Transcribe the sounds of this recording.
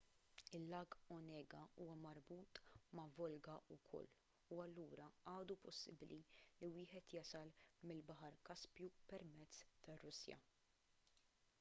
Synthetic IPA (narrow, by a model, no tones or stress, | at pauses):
ɪlːɐːɡɔnɛːɡɐuːwɐmɐɾbuːt̪mɐvɔlɡɐʔʊkʰɔ̰lː | uɐlːuːɾɐɐːd̪upɔsːɪbliliwɪːħɛt̪jɐsɐlmɪlbɐħɐɾkɐspjupɛɾmɛt͡sːt̪ɐrːʊsjɐ̰